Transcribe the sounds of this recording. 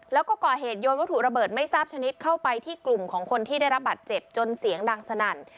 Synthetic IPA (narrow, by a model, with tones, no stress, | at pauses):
lɛː˦˥wkɔː˥˩kɔː˨˩ɦeː˨˩t̪̚joː˧nwa˦˥t̪ʰu˨˩ɾa˧bɤː˨˩t̪̚ma˥˩jsaː˥˩p̚t͡ɕʰa˧ni˦˥t̪̚kʰa˥˩wpa˧jt̪ʰiː˥˩klu˨˩mkʰɔː˩˦ŋkʰo˧nt̪ʰiː˥˩da˥˩jɾa˦˥p̚baː˨˩t̪̚t͡ɕe˨˩p̚t͡ɕo˧nsi˨˩˦əŋdaː˧ŋsa˧na˨˩n